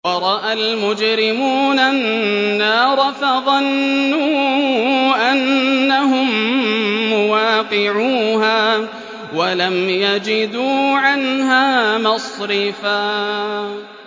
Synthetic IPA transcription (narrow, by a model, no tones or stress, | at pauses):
wɑɾˤɑʔalmʊd͡ʒɾɪmuːnaː | ɑːɾˤɑfaðˤɑnːuː | ʔanːaɦʊmː | ʊwaːqɪʕuːɦaː | walamjad͡ʒɪd̪uːʕanɦaːmɑsˤɾɪfaː